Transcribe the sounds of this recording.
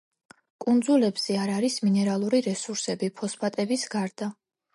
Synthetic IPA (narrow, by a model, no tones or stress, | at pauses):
kʼund̪zulɛbz̥ɛaɾaɾisminɛɾalˠuɾiɾɛsuɾsɛbipʰɔspʰat̪ʼɛbisɡaɾd̪a